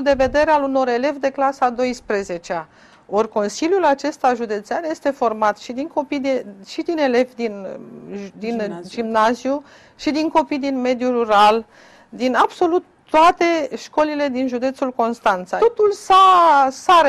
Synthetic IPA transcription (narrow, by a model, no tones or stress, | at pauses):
d̪e̞ve̞d̪e̞ɾealuno̞ɾe̞le̞vd̪e̞klasad̪o̞jspɾe̞ze̞t͡ʃea | o̞rʲko̞nsiljulat͡ʃe̞st̪aʒud̪e̞t̪seanje̞st̪e̞fo̞rmat̪ʃid̪iŋko̞pid̪eʃid̪ine̞le̞vd̪in | d̪inʒimnazju | ʃid̪iŋko̞pijd̪inme̞d̪juruɾal | d̪inabso̞lut̪ːoat̪e̞ʃko̞lile̞d̪inʒud̪e̞t̪sulko̞nst̪ant̪saot̪ulsasa